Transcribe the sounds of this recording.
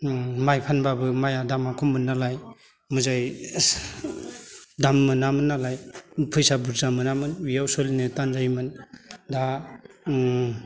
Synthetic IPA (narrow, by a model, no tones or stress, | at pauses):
majpʰanbabɯmajadamakʰɔmːɯnːalaj | mɯzaj | damːɯnamɯnːalajpʰɯjsabuɾzamɯnamɯnwijawsolinɯtanzajmɯnda